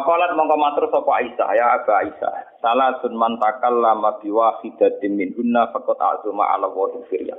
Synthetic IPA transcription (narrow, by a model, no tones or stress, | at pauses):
kɔlat̪̚mɔŋkɔmat̪ɾʊsɔkɔaisa̰hjaab̥a̤aisa̰salazʊnmant̪akalːamab̥iwasid̪̥a̤d̪ɪmindunːafəkʊt̪a̰ʔzuma̰ʔa̰lawɔd̪əfiɾja̰